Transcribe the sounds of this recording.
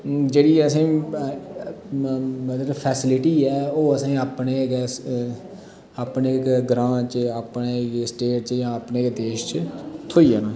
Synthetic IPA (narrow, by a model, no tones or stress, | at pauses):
d͡ʒeːɽiːəs̬ãĩː | mət̪ɾpʰɛːsɪlɪʈiːɛːoːəsãːaːpneːɡɛːs | aːpneːkɡɾãːt͡ʃəaːpneːsʈeːʈt͡ʃjãːapneːkd̪eːʃt͡ʃt̪ʰoːiːaːnãː